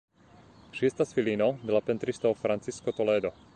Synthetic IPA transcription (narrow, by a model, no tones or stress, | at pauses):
ʃɪɛst̪asfiliːnɔd̪lapɛnt̪ɾist̪ɔɔfɾant͡siskɔt̪ɔlɛːd̪ɔ